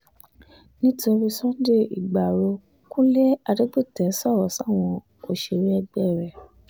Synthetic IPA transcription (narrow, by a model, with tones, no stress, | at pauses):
nĩ˦to˧ɾi˧sɔ̃˦de˦˨ḭ˨ɡ͡ba˨ɾo˧ | kũ˦le˦a˧de˦k͡pi˦˨tɛ˨˦sɔ˦˨ɾɔ˨˦sa˦˨w̃ɔ̃˧ | o˨ʃe˨ɾi˦ɛ˧ɡ͡bɛ˦˨ɾɛ˨